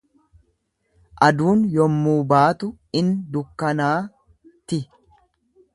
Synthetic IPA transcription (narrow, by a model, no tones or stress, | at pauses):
ʔɐd̪uːnjɔmːuːbaːt̪ʊ | ɪnd̪ʊkːɐnaː | t̪ɪ